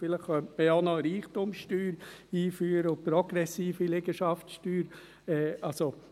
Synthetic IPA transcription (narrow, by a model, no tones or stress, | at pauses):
fɪləχχœntməonɔɾiːχtʊmʃtyːɾ | iːfyːɾəʊpɾɔɡ̥ɾɛsiːfileɡəʃɑftʃtyːɾ | ɛːʔɑlso